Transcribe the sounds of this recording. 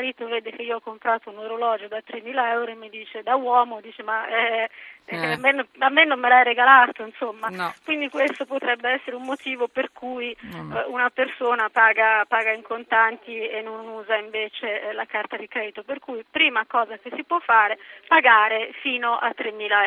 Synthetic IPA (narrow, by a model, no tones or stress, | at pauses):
ɾit̪oveːd̪ek̟eiːoɔkːompɾaːt̪ounoɾolɔːd͡ʒod̪at̪ːɾemːiːlaɛwɾoemːed̪iːt͡ʃed̪awɔːmod̪iːt͡ʃemaɛ | amːenamːenːomːelaɛjeɡalaːt̪oinsomːakwind̪ikwest̪opot̪ɾɛbːeɛsːeɾeumːot̪iːvoperkʰujunapersoːnapaːɡapaːɡaiŋkont̪ant̪ienːonuːzaiɱveːt͡ʃelakart̪ad̪ikɾɛːd̪it̪operkujpɾiːmakɔːzak̟esːipwɔfːaːɾepaɡaːɾefiːnoʔa̰t̪ːɾemːiːlaɛ